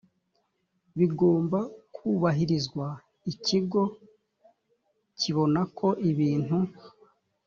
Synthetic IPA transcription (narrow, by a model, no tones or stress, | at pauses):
βiɡo̞ːmbakʰuβaɦiɾizɡwa | iciɡo̞ | cʰiβo̞nakʰo̞ʔiβiːn̥hu